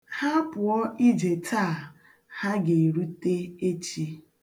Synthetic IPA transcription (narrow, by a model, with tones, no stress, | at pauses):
ha˦pʊ˨ɔ˦ʔi˦d͡ʒe˨tʰaː˦˨ | ha˦ɡe˨ɾu˦te˦e˦t͡ʃi˦